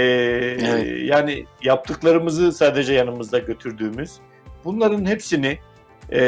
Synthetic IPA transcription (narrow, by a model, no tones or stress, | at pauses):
ɛ | jaːnijap̚t̪ʰɯklˠaɾɯmɯzɯsaːd̪e̞d͡ʒɛjanɯmɯzd̪aɟø̞t̪ʰyɾd̪yːmyz̥ | bunlˠaɾɯnhepsinɪ | ɛ